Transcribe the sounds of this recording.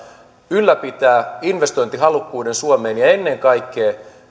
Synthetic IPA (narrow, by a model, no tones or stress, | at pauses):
ylːæpit̪æːinʋest̪o̞int̪iɦɑlukːuːdensuomeːnjɑenːeŋkɑikːeː